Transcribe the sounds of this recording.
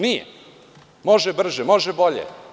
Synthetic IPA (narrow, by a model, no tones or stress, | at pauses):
nijḛ | mo̞ʒɛbr̩ʒɛmoʒɛboʎḛ